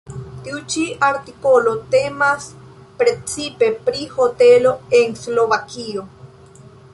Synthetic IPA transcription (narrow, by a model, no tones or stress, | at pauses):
t̪iut͡ʃiaɾt̪ikolot̪emas | pɾet͡sipe̞pɾihot̪eloeŋsloβakio